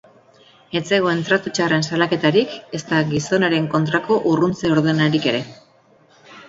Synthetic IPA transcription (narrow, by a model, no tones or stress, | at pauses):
e̞t͡se̞ɣ̞o̞e̞nt̪ɾat̪ut͡ʃare̞nsalake̞t̪aɾike̞st̪aɣiso̞naɾe̞ŋko̞nt̪ɾako̞ʔurunt͡seoɾðenaɾike̞ɾe̞